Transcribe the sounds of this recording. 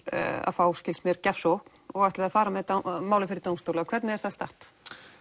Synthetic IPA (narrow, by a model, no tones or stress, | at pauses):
a̰faːwscɪlsmɛɾcafsowhkn̥ɔɣɛht̪ɪðaðfaːɾamɛðɛt̪maːwlɪfɪɾɪɾt̪oːwmst̪owlʏakʰvɛɾt̪nɪɛɾθast̪a̰ht̪